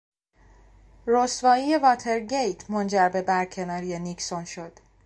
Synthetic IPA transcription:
rosvɒːije̞vɒːt̪ʰe̞ɾɟejt̪ʰmond͡ʒæɾbe̞bæɾcʰe̞nɒːɾijeniksonʃo̞d̪̥

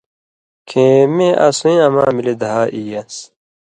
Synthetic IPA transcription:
kʰẽːmẽːʔɐsuĩɐma̰ːmiled̪ɐɦaːʔijɐs

